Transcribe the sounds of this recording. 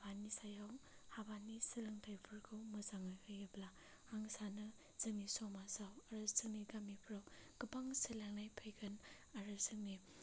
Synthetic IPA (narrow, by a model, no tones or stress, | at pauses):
banːisajawhabanːisiɾɯŋtʰajpʰɯɾɡʰɯwmɐzaŋajhɯjɯbla | aŋsanɯ | z̥ɐmisɔmasawaɾɐzɐmiɡamipʰɾawɡ̥ɯpaŋselaŋnajpʰəjɡɐn | aɾɯzɯmi